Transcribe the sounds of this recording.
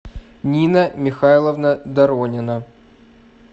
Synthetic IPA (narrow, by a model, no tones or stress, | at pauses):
nʲinəmʲɪxajlˠəvnəd̪ɐɾonʲɪnə